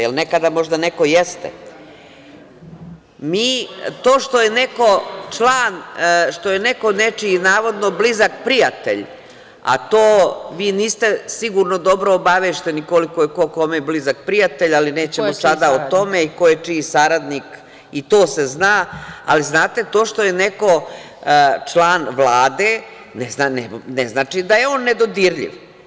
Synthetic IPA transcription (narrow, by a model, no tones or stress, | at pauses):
jelˠnekad̪amo̞ʒd̪aneko̞jest̪ḛ | miːt̪oːʃt̪o̞jeneko̞t͡ʂlˠaːnʃt̪o̞jene̞ko̞net͡ʂiinaːʋo̞d̪no̞blizakpɾijat̪ḛʎ | a̰t̪oːʋiːniːst̪esiɡuːɾnod̪o̞bɾoːbaʋeːʃt̪e̞nikolikojekoko̞meblizak̚pɾijat̪eʎalineːt͡ɕemosad̪aot̪o̞meikojet͡ʂisaɾad̪nik | it̪oːseznaːa̰liznaːt̪e̞t̪oːʂt̪o̞je̞neko̞ | t͡ʂlˠaːnʋlˠaːd̪eː | neznanɛneznaːt͡ʃid̪ajeoːnːed̪o̞d̪iɾʎḭʋ